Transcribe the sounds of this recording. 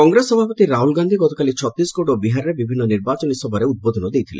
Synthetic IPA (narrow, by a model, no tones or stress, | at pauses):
kɔŋɡɾesːɔbʱapɔt̪iɾaɦulɡand̪ʱiɡɔt̪okalit͡ʃʰɔt̪ːiskoʈobiɦaɾɔɾebibʱinːɔniɾbat͡ʃɔnisɔbʱɔɾeud̪̚bod̪ʱɔnɔd̪ejt̪ʰilḛ